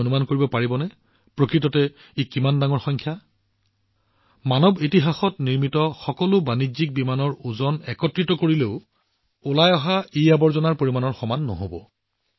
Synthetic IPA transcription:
onumankoɹibɔpaɹibɔnɛ | pɹokɹitɔtɛ | ekimandaŋɔɹxɔŋkʰja | manɔbitiɦaxɔtniɹmitɔxɔkɔlʊbanizik̚bimanɔɹuzɔnɛkɔtɹitɔkoɹileʊ | ʊlajɔɦaeabɔɹzɔnaɹpoɹimanɔɹxɔmanːɔ̰ɦobɔ

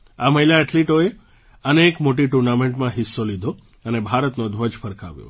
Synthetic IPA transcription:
aməɦilaɛʈliʈoe | əneːkmoʈ̬iʈuɾnameɳʈmãɦisːolid̪ʱo | ənebʱaɾət̪nod̪ʱʋəd͡ʒfʰəɾka̰ʋjo̰

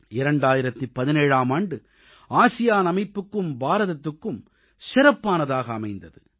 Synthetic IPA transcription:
ɪɾɐɳɖaːjɪɾɐt̪ːipːɐðɪneːɻaːmaːɳɖɯ | ʔaːsɪjaːnɐmɐɪpːɯkːɯmbaːɾɐðɐt̪ːɯkːɯm | sɪɾɐpːaːnɐðaːɣɐːmɐɪnd̪ɐðɯ

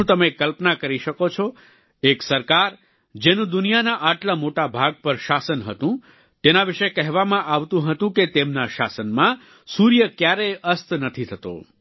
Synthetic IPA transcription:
ũt̪əmekːəlpnakəɾiʃəkot͡ʃʰɔ | eksəɾkaɾ | d͡ʒenũd̪ʊnijanaʔaʈlamoʈabʱaɡ̚pəɾʃasənɦət̪ũ | t̪enaʋiʃekɛɦʋamãʔaʋt̪ũɦət̪ũket̪emnaʃa̰sənmã | suɾjəkjaɾeʔəst̪ʰnət̪ʰit̪ʰət̪o̰

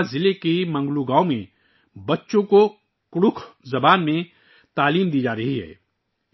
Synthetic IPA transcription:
zɪlekimɐ̃ŋɡluɡãːomẽ | bɐtːʃõko | kʊɽʊkʰzɐbaːnmẽ | t̪aːliːmd̪iːd͡ʒaːɾɐɦiɦɛ̰ː

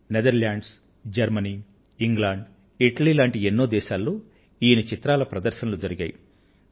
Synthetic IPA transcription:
ned̪ɐɾlaːɳɖs | d͡ʒɐɾmɐniː | iŋɡlaːɳɖ | iʈɐliːlaːɳʈienːoːd̪ɛːʃaːlːoː | iːnit͡ʃit̪ɾaːlɐpɾɐd̪ɐɾʃɐnɐlud͡ʒɐɾiɡa̰ːji

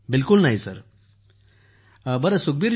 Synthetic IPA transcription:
bilkulnaɦisəɾ | bəɾəsuk̚biːɾ

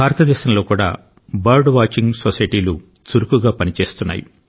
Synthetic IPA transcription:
bʱaːɾɐt̪ɐd̪ɛːʃɐmlo̞ːkuːɽa̰ː | baːɾɖʋaːt͡ʃiŋɡsosɐjʈiːlu | t͡ʃuɾukuɡaːpɐnit͡ʃe̞ːst̪unːa̰ːju

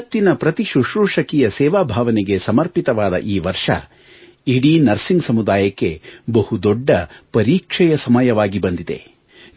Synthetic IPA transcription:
t̪ːinɐpɾɐt̪iʃuʂɾuːʂɐkijɐsɛːʋaːbʱaːʋɐnɛɡe̞sɐmɐɾpit̪ɐʋaːd̪ɐ̰ʔiːʋɐɾʂɐ̰ | iɽinɐɾsiŋɡsɐmud̪aːjɐkːe̞bɐhud̪ɔɖːɐpɐɾiːkʂɛjɐsɐmɐjɐʋaːɡibɐnd̪id̪e̞̰

